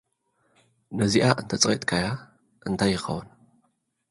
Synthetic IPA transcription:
nɐziʔaʔɨnt̪ʰɐt͡sʼqʼet̪ʼkʰaja | ʔɨnt̪ʰajːɪxɐ̰wɨn

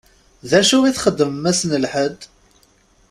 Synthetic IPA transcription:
ðæʃuwiθχəd̪ːəməmæsnəlħəd̪

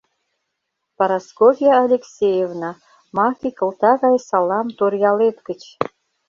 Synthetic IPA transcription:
paɾɑskofʲijaːlʲeksʲejevnɑ | mɑkʲikə̆lˠt̪ɑɣɑjsɑlˠɑmt̪orjɑlet̪kə̆t͡ɕ

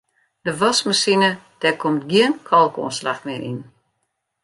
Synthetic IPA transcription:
d̥əʋɔsmasinəd̥ɛkʰomtɡiənkʰɔlˠko̰ːnslaxmɪɾʔḭn

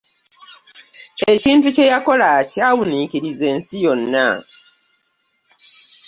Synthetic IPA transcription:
e̞ciːntuce̞jako̞lacaːwuniːkiɾize̞ːnsijo̞nːa

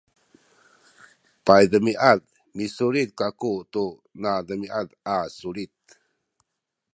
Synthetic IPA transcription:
pajdəmiʔad | misuɾit̪̚kakut̪u | nadəmiʔadasuɾit̪̚

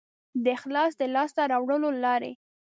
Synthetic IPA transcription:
d̪əɪxlɑsd̪əlɑst̪aɾɑwɽəlolɑɾḛ

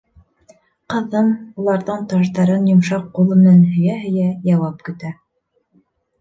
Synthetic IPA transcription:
qɤ̆ðːɤmulˠɑɾðɤɴt̪ɑʃt̪ɑɾɤnjŏmʃɑqːulˠɤ̆mɘ̆nænɦɵ̆jæɦɵ̆jæjɑwɑp̚kɵ̆t̪æ

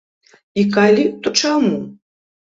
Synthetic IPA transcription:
ikalʲit̪ɔt͡ʂamu

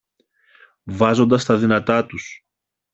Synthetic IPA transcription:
vɐzo̞nd̪ɐst̪ɐðinɐt̪ɐt̪us

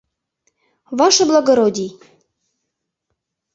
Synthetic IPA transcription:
βɑʃɤ̆blˠɑɣoɾodʲi

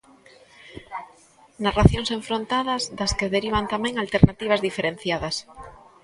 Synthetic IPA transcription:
naraθjoŋseɱfɾont̪aðɐzðɐskeðeɾiβ̞ant̪amɛ̃ŋalt̪eɾnat̪iβ̞ɐzðifeɾenθjaðɐs

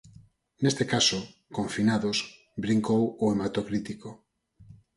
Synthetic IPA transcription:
nest̪ekaso | kõɱfinaðos | bɾiŋkowoemat̪okɾit̪iko

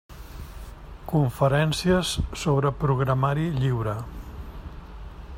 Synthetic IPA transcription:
kuɱfəɾɛnsiəsːoβɾəpɾuɣɾəmaɾiʎiwɾə

